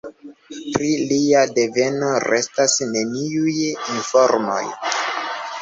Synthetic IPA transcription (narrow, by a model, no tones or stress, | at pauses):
pɾiliade̞ve̞no̞ɾe̞stasne̞niujinfo̞ɾmo̞̰j